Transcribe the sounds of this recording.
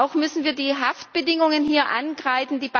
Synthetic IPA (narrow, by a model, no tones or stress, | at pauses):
ʊxmʏsn̩viːɐdiːɦaft̚b̥ədɪŋʊŋənɦiːɐʔa̰nɡʁaɪfn̩diːb